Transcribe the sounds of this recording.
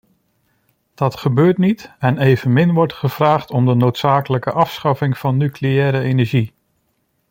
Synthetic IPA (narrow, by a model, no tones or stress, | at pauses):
d̥ɑtχəbøːɹtnitɛnejvənmɪnʋɔɹtχəv̥raːχtɔmdənowtsaːkələkəʔɑfsχɑfɪŋv̥ɑnːykleɛːɾəenɛɹʒi